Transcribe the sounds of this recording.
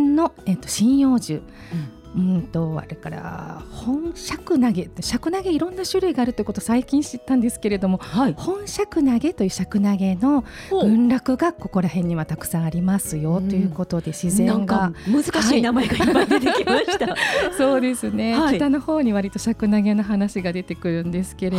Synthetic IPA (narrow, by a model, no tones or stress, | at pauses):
nno̞et̪ːoɕĩɰ̃jo̞ːʑɨ | ɯ̟̃nt̪o̞a̰ɾekaɾa̰hõ̞ɰ̃ɕakɯ̟naɡe̞t̪ɕakɯ̟naɡe̞iɾõ̞nːaɕɨɾɯ̟iɡaːɾɯ̟t̪o̞jiɯkot̪osaikʲĩɰ̃ɕit̪ːãnd̪e̞sɨ̥ke̞ɾe̞d̪o̞mo̞ihõ̞ɰ̃ɕakɯ̟naɡe̞t̪o̞jɯ̟ːɕakɯ̟naɡe̞no̞ɡɯ̟̃nɾʲakɯ̟ɡako̞ko̞ɾaɦẽ̞ɲ̟ːiβat̪akɯ̟̥sãɰ̃aɾʲimasɨjo̞t̪ːojɯ̟ːko̞t̪o̞d̪e̞ɕizẽ̞ŋɡaamɯzɨkaaiinamaeɡaadet̪mt̪aso̞ːd̪e̞sɨne̞it̪ano̞ho̞ːɲ̟iβaɾʲit̪o̞ɕakɯ̟naɡe̞no̞ɦanaɕiɡad̪e̞t̪e̞kɯ̟ɾɯ̟̃nd̪e̞sɨ̥ke̞ɾe